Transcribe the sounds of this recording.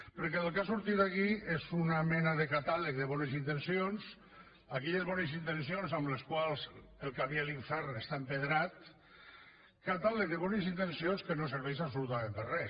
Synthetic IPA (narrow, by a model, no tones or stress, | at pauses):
pəɾk̬ɛəlˠkasuɾt̪it̪akiezunamɛnaðekat̪alək̚ðəβɔnəzint̪ensions | akɛʎəzβɔnezint̪ens̬ionzamləskwalˠz | elˠkaβialiɱfɛɾnest̪aempeðɾat̪̚ | kat̪alək̚ðəβɔnəz̬int̪ensionskənosəɾβɛʃ̬absulut̪amẽmp̪ərɛ